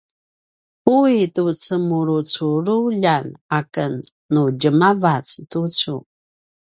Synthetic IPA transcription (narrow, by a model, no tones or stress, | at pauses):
uitut͡səmuɾut͡suɾuʎanakənː | uɟəmavat͡stut͡sṵ